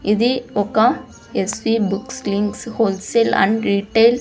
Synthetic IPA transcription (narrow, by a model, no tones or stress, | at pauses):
ɪðiɔkːã | ɛsʋibʊkslɪŋkshoːlselɐ̰̃ɳɖɾiːʈːeɪl